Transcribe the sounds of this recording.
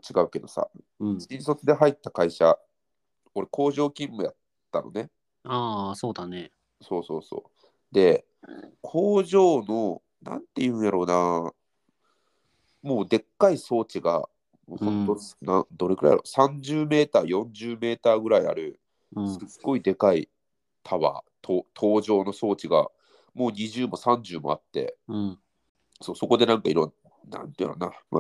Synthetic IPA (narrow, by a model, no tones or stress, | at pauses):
t͡ɕiɡaɯ̟ke̞d̪o̞sa̰sʲiɲ̃so̞t͡sɨd̪eɦait̪ːakaiɕa | o̞ɾeko̞ːʑo̞ːkʲĩmːɯ̟jat̪ːano̞̰ne̞ | aːso̞ːd̪ane | so̞ːso̞̰ːso̞̰ː | d̪e̞ | kʰo̞ːʑo̞ːno̞ | nã̰nt̪ːeiɯ̟̃ɰ̃jaɾo̞ːna | mo̞ːd̪e̞kːaiso̞ːt͡ɕiɡa̰ | moːhõnt̪onad̪o̞ɾeɡɯ̟ɾa̰jaɾo̰sãɲd͡ʑɨːme̞ːt̪aːjõ̞ɲd͡ʑɨːme̞ːt̪aːɡɯ̟ɾaia̰ɾɯ̟ | sɨɡ̥ːo̞id̪e̞kaḭ | t̪ʰaβa̰t̪ʰoːt̪ʰo̞ːʑo̞ːno̞so̞ːt͡ɕiɡa̰ | mo̞ːɲ̟iʑɨːmo̞sãɲ̟d͡ʑɨːmo̞̰at̪ːe̞̰ | so̞ːso̞ko̞d̪e̞nãŋkaḭɾõn | nã̰nt̪iɾo̰nama̰